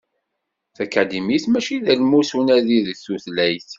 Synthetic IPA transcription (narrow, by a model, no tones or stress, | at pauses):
θækæd̪imiθmæʃiðælmusunæðiðθuθlæjθ